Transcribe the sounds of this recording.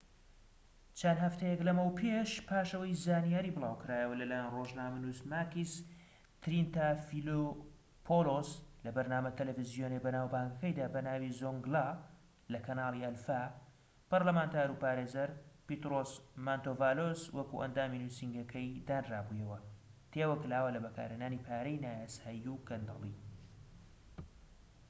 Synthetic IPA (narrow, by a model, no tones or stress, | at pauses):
t͡ʃʰɐnhɐft̪ɐjɛklɐmɐwpʰeʃpʰaːʃɐwɐjzaːnijaːɾibɨlˠaːwkɨɾaːjɐwɐlɐlaːjɛnroʒnaːmɐnusmaːkis | t̪ɾint̪afilo | pʰoloslɐbɐɾnaːmɐt̪ʰɐlɛfizijoːnejbɐnaːwbaːŋkɐkɐjd̪aːbɐnaːwizoŋɡla | lɐkɐnaːlˠiʔɐlfa | pɐɾlɐmaːnt̪ʰaːɾupaːɾeːzɐɾpit̪ɾosmant̪oːvaːloswɐkṵʔɐ̰nd̪aːminusiŋɡɐkʰɐjd̪aːnraːbujɐwɐt̪ʰeːwɐkɨlaːwɐlɐbɐka̰ːɾenaːnipʰaːɾɛjnaːjaːsaːjiukɐnd̪ɑ̰lˠḭ